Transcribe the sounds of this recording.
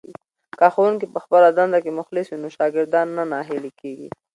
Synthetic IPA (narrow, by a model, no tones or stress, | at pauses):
kaxawuŋkipəxpəlad̪and̪akemʊxlɪswinoʃɑɡɪɾd̪ɑnːanaɦɪlikeɡḭ